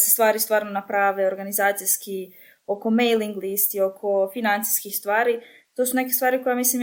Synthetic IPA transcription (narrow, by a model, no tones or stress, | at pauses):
sest̪ʋaːɾist̪vʋaːɾnonapɾaʋe̞oɾɡanizaːt̪sijski | o̞ko̞mejliŋɡlist̪io̞kʰo̞finant̪si̥jskixst̪ʋaːɾi | t̪o̞sune̞k̬e̞st̪ʋaːɾiko̞jamislim